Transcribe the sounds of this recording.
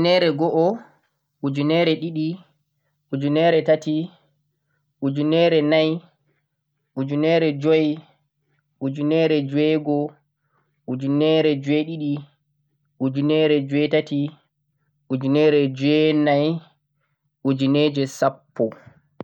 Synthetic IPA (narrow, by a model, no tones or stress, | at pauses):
nɛɾɛɡɔʔɔ | ʔud͡ʒunɛɾɛɗiɗi | ʔud͡ʒunɛɾɛtati | ʔud͡ʒunɛɾɛnaj | ʔud͡ʒunɛɾɛd͡ʒɔj | ʔud͡ʒunɛɾɛd͡ʒwɛɡɔ | ʔud͡ʒunɛɾɛd͡ʒwɛɗiɗi | ʔud͡ʒunɛɾɛd͡ʒwɛtati | ʔud͡ʒunɛːɾɛd͡ʒɛnaj | ʔud͡ʒined͡ʒɛsapːɔ